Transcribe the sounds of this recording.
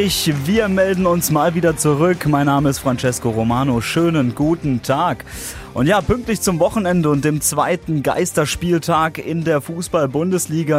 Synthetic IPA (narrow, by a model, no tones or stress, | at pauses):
ɪçviːɐmɛldn̩ʊnsmaːlviːdɐt͡suʁʏkmaɪnːaːməɪstfʁ̥ant͡ʃɛskoʁomaːnoʃøːnənɡuːtn̩tʰaːk | ʔʊntjaːpʏŋk̚tlɪçt͡sʊmvɔχn̩ɛndəʊnt̚d̥eːmt͡sv̥a̰ɪtn̩ɡa̰ɪstɐʃpiːltʰaːkɪndeːɐfuːsb̥albʊndəsliːɡa